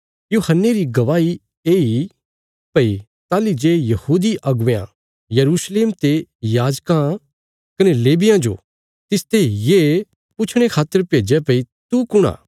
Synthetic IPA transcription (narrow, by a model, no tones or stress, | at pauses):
joːhənːeɾiɡɐʋaːi | eːi | pɐi | t̪aːlid͡ʒeːjɐhuːd̪iʔɐɡʋejã̰ | jɐɾuːsleːmt̪ejaːd͡ʒkã | kɐneleːbɪjãd͡ʒo̰ | t̪ɪst̪eije | pʊt͡ʃʰɽ̃ekʰaːt̪ːəɾpeːd͡ʒɛpɐit̪ukʊɽ̃ã̰ː